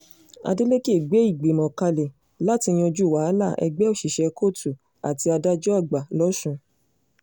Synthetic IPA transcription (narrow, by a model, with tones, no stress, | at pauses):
a̰˧de˦le˦ki˦e˦˨ɡ͡be˨˦i˦˨ɡ͡be˨mɔ̃˨ka˧le˨ | la˦ti˧j̃ĩ˧o˧d͡ʒu˦˨wa˨˦la˦˨ʔɛ̰˧ɡ͡bɛ˦o˦˨ʃi˨ʃɛ˧kʰo˦˨tʰu˨ | a̰˨ti˧a˧da˦d͡ʒɔ˦a˦˨ɡ͡ba˨lɔ˦ʃũ˧